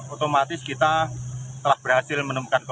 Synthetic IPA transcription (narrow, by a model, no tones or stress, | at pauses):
ot̪omat̪ɪskit̪at̪əlahb̥əɾɦasɪlmənəmukank